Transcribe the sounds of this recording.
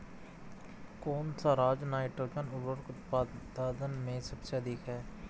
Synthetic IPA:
koːnsaɾaːd͡ʒnaːɪʈoːkənʊbəɾkʊt̪p̪ːaːd̪ənmẽsɐbseɐd̪iːkɦɛː

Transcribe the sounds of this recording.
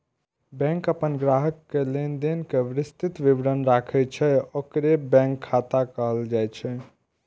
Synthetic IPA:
bɛ̃ŋkəpənɡɾaɦəkːelend̪enkeʋɾist̪it̪ʋibɾənɾakʰɛt͡ʃʰɛokɾebɛ̃ŋkʰːat̪akəɦəld͡ʒajt͡ʃʰɛ

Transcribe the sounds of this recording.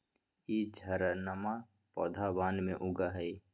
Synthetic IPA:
iːd͡ʒʱəɾnama | pɔːd̪ʱabaːnmẽʔʊɡaɦɛj

